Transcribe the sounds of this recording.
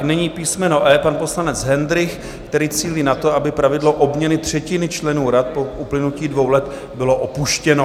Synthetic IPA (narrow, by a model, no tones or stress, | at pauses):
knɛɲiːpiːsmɛno̞ʔɛːpanpo̞slanɛt͡sɦɛnd̪ɾɪx | kt̪ɛɾiːt͡siːliːnat̪o̞abɪpɾavɪdlo̞ʔo̞bɲɛnɪt̪r̝̥ɛcɪnɪt͡ʃlɛnuːɾat̪̚poʔuplɪnuciːdvo̞wlɛt̪ | bɪlo̞ʔopuʃcɛno